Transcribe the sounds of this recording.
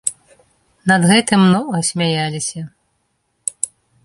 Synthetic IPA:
nɐd̪ɣɛt̪ɨmnɔɣɐsʲmʲajalʲisʲɐ

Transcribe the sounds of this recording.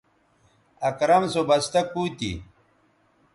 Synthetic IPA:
ɐkɾɐmsobɐst̪ɐk̚puːt̪ḭ

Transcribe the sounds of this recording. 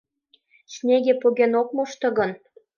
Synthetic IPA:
t͡ɕnʲeɣʲepoɣʲenok̚moʃt̪ɤ̆ɣɤ̆n

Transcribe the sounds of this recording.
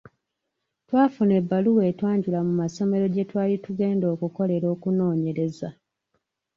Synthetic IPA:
twaːfune̞bːaluwe̞ːtwaːɲɟulamumaso̞me̞ɾo̞ɟe̞twaːlituɡe̞ːndo̞ːkuko̞le̞ɾo̞ːkuno̞ːɲe̞ɾe̞za

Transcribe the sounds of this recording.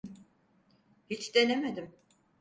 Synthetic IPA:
hit͡ʃd̪e̞nemed̪im

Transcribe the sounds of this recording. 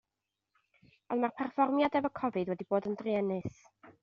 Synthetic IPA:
ɔnmarpʰɛrfɔrmjadɛvɔkʰɔvɨdwɛdiboːdəndriɛnɨθ

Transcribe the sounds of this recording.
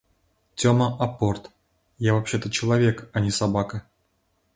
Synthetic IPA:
tʲoməʔapːort̪ | javapɕːet̪ət͡ɕɪlˠavʲekanʲisabakə

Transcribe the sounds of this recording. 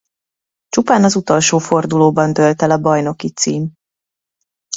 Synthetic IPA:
t͡ʃupaːnɒzut̪o̞lʃoːfo̞rd̪uloːbɒnd̪ølt̪ɛlɒbɒjno̞kit̪siːm

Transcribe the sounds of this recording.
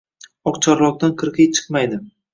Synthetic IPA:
ɒqt͡ʃʰɒɾlˠɒq̚t̪anqʰɨɾqʰɨjt͡ʃʰɨ̥qmajd̪ɪ

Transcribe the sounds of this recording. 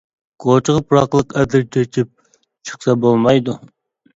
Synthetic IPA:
ɡ̥ot͡ʃʰəʁəpʰuɾɑqlˠəqɛd̪ɪɾt͡ʃʰɛt͡ʃʰɪp̚ | t͡ʃʰə̥χsɛbolˠmɑjd̪u

